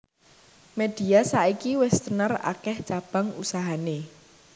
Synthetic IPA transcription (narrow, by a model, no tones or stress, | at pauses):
med̪̥i̤asaikiwɛst̪ənəra̰kɛht͡ʃab̥a̤ŋusaɦane